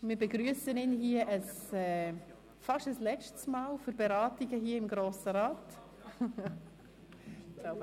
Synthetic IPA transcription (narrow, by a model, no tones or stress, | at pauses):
mɪːɾbɛɡɾyəsənɪnɦiəʔəsɛ | fɑʃtəslɛt͡ʃtsmaːlfʏɾb̥ɛɾɑːtiɡəɦiːəɪmɡɾoːsəɾɑːt